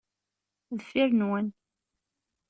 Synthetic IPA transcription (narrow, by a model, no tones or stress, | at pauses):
ðəfːiɾnwən